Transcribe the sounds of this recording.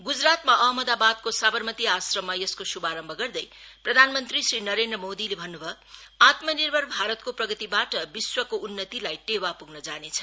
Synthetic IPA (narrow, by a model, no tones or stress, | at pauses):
ɡud͡zrat̪maʔʌɦmʌd̪abad̪̚kosabʌrmʌt̪iasrʌmːajeskosubaɾʌmbʱʌɡʌrd̪ʌj | prʌd̪ʱanmʌnt̪risrinʌɾend̪rʌmod̪ilebʱʌnːubʱʌ | at̪mʌnirbʱʌrbʱaɾʌt̪̚koprʌɡʌt̪ibaʈʌbiswʌkounːʌt̪ilajʈewapuɡnʌd͡zanet͡sʰʌ̥